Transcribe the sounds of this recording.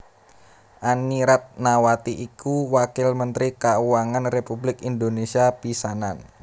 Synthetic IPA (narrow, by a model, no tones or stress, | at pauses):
ʔaniɾat̪̚nawat̪iʔikuwakɪlmənt̪ɾikauwaŋanrepublɪkind̪onesiapisanan